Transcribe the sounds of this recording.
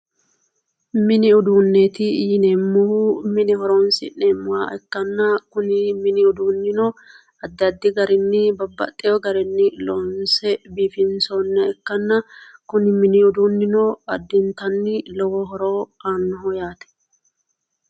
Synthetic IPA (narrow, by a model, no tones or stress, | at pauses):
mɪnɪʊd̪uːnːeːt̪ɪjɪnemːʊhumɪnɪhɔɾoːnsɪ̰neːmːʊwa̰ːʔɛkːɐnːɐkʊnɪmɪnɪʊd̪uːnːɪnɔ | ɐd̪ːɐd̪ːɪɡɐɾɪnːɪbɐbːɐ̰t̪ʼːɪjɔɡɐɾɛnːɪloːnsɛbiːfɪnsoːnːɛɛkːɐnːɐkʊnɪmɪnɪʊd̪unːɪnɔɐd̪ːɪnt̪ɐnːɪlɔwɔɦɔɾoːanːɔɦɔjaːt̪ɛ̥